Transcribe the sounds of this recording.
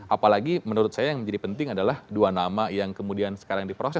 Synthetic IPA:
ʔapalaɡimənuɾʊt̪̚sajajaŋməɲd͡ʒadipənt̪ɪŋadalahduanamajaŋkəmudiansə̥kaɾaŋdipɾosɛ

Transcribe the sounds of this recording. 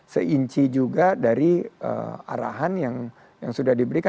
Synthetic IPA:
sə̰iɲt͡ʃid͡ʒuɡadaɾiə̰a̰ɾa̰ɦanjaŋ | jaŋsudahdibəɾika

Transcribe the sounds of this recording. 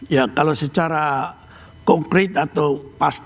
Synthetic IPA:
jakalosət͡ʃaɾa | kɔŋkɾit̪at̪awpast̪

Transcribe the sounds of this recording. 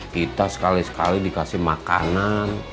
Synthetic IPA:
kit̪asə̥kalisə̥kalidikasɪhmaka̰nan

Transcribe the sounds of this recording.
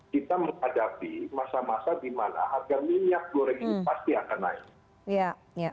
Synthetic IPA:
kit̪aməŋhadapimasamasadimana̰ɦarɡamiɲak̚daɾaŋinipast̪iakanːa̰ɪ̰k̚ | ja | ja

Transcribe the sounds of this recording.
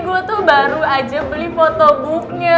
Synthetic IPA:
ɡuot̪ubaɾuad͡ʒəbəlifɔt̪ɔbuk̚ɲə

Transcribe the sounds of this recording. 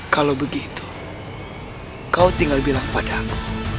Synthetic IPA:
kalawbəɡit̪u̥ | kaut̪iŋɡalbilaŋpadaku̥

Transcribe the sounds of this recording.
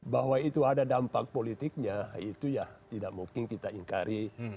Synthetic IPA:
baɦwait̪uadadampak̚polit̪ik̚ɲait̪ujaht̪idaʔmuŋkɪnkit̪aiŋkaɾi

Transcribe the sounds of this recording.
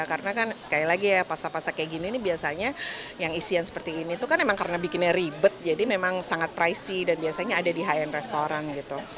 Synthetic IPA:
akarənakansə̥kailaɡijapast̪apast̪akeɡininibiasaɲajaŋisijansə̥pərt̪iːnit̪ukanmemaŋkaɾənabikɪnɲaribət̪̚d͡ʒadimemaŋsaŋat̪̚pɾaisidanbiasaɲaːdadiɦajɛnrest̪oɾanɡit̪u

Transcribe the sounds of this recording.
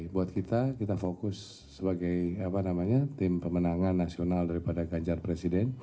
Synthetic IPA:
buat̪̚kit̪akit̪afokʊsː | əbaɡajapanamaɲat̪ɪmpəmənaŋanːasionaldaɾipadaɡaɲd͡ʒarpɾesidɛn

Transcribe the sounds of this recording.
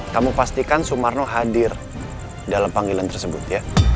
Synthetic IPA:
kamupast̪ikansumarnoɦadɪr | dalampaŋɡelant̪ərsəbʊt̪ja

